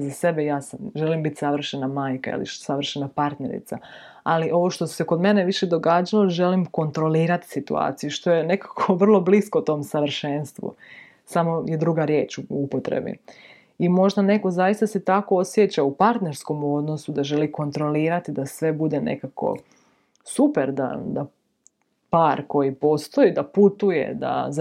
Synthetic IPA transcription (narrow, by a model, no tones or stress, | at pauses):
zase̞bejaːsamʒe̞limbit̪ʲsaʋr̩ʃenamaːjka̰ḭlḭʃsaʋr̩ʃenapaɾt̪nḛɾḭt̪sa̰ | aliʔo̞ʋo̞ʃt̪o̞su̥seko̞d̪me̞neʋiʃed̪o̞ɡaːd͡ʒaloʒe̞limko̞nt̪ɾo̞liːɾat̪i̥sit̪ua̰ːt̪sijuʃt̪o̞je̞ne̞kḁkʰoʋr̩lˠo̞bliskout̪o̞ːmsaʋr̩ʃenst̪ʋṵ | samo̞je̞d̪ɾuɡaɾje̞ːt͡ʃuupot̪ɾḛbḭ | imo̞ʒd̪ane̞ko̞zajist̪ase̞t̪ako̞osjet͡ɕaupaɾt̪ne̞ɾsko̞mo̞d̪no̞sud̪aʒe̞liko̞nt̪ɾo̞liːɾat̪id̪asʋe̞bud̪ene̞̰kako̰ | supeɾd̪a̰d̪a | paːɾko̞jipo̞st̪oid̪aput̪ujḛd̪a̰z